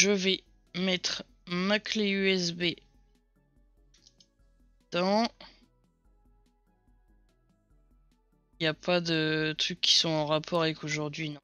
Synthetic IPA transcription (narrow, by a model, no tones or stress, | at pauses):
ʒəvɛ | mɛt̪χ | makleyɛsbe | d̪̥ɑ̃ | japad̪ət̪χykʰːi̥sɔ̃ɑ̃ʁapʰɔʁavɛkoʒuʁd̪ɥin